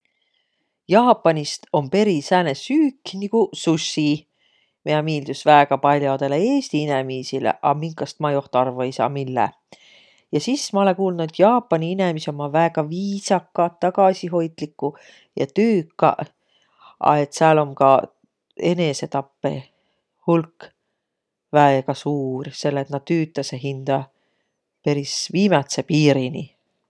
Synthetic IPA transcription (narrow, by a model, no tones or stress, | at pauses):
jɑːpːˑɑnist̪o̞mpe̞ɾisæːnesyːkːnikususːi | meɑmiːld̪̥usvæeɡ̥ɑpɑlʲjod̪e̞leeːst̪iinemiːsilḛʔɑ̰miŋkɑst̪mɑjo̞ht̪ɑrvɑejsɑ̰ːmilːḛ | jɑsismɑolekuːlnuet̪jɑːpːɑniine̞misomːɑvæːɡ̥ɑviːsɑkːˑɑt̪ɑɡɑsiɦo̞jt̪likˑːu | jɑ̰t̪yːkːɑ̰ | ɑ̰e̞t̪seɑlo̞mkɑ | e̞ne̞se̞t̪ɑpːe̞̰ | hulk | væekɑsuːrse̞lːet̪nɑd̪̥t̪yːt̪ːˑɑseɦind̪̥ɑ | pe̞ɾisviːmɑt̪sepiːɾini